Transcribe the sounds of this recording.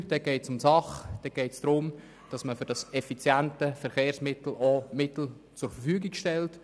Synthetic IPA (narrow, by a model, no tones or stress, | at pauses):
d̥ɛɡ̥ɛɪtsʊmsɑχd̥ɛɡ̥ɛɪtsd̥ɾʊm | d̥ɑsməfʏɾd̥ɑsɛfit͡sjæntəfɛɾχeːrsmɪtl̩ɔmɪtl̩ | t͡sʊɾfərfyːɡɪɡʃtɛlt